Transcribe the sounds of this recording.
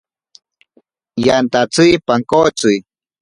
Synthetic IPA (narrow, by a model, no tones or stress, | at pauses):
jant̪at͡sijpaŋkot͡sʊj